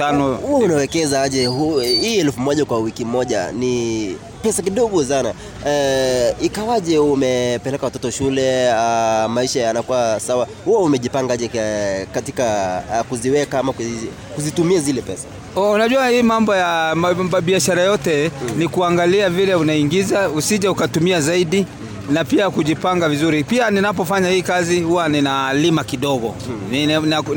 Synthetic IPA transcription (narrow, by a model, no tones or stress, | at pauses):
tanɔhuɔunawɛkɛzaaʄɛhuiːɛlfumɔʄakwawikim̩mɔʄa̰ni | pɛsakiɗɔɠɔsana | ikawaʄɛumɛpɛlɛkawatɔtɔʃulɛamaiʃajanakuwasawa | huɔumɛʄipaŋɡaaʄɛkatikakuziwɛkaamaku | kuzitumiazilɛpɛsḁ | unaʄuwahiːmambɔjamɓiaʃaɾajɔtɛnikuaŋɡaliavilɛunaiŋɡizausiʄaukatumiazaiɗi | napiakuʄipaŋɡavizuɾipianinap̬ɔfaɲahiːkazihuwaninalimakiɗɔɡɔ̰ | nina